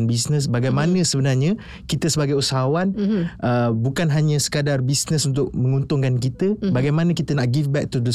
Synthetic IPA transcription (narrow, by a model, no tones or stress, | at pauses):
nbisnə̃s̬baɡajmãnə̃səbənarɲã | kit̪əsəbaɡajusaɦawanʔəbukanɦaɲãsə̥kadarbisnə̃sunt̪ʊk̚mə̃ŋunt̪ʊŋkank̬it̪əbaɡajmãnə̃kit̪ənaʔɡifbɛk̚t̪ud̪ə